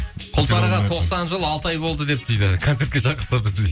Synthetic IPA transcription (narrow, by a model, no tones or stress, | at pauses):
qʰʊlˠt̪ɑɾəʁɑt̪ʰo̞qsɑnʒəlˠɑlˠt̪əɑjbo̞lˠd̪əd̪e̞p̚t̪ʰijd̪ɪkʰo̞ne̞ɾt̪kʲe̞ʒɑqəɾsɑbəzd̪ej